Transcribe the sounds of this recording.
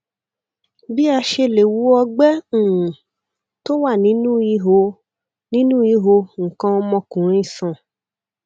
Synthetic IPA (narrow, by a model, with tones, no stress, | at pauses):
bi˦a˧ʃe˧le˨wu˨˦ɔ˧ɡ͡bɛ̃˦˨ | to˦wa˦˨nĩ˨˦nũ˦i˧˦ɦo˧ | nĩ˦nũ˦i˧˦ɦo˧ŋ̩˨kã˧ɔ˧mɔ̃˧kũ˨ɾ̃ĩ˦˨sã˨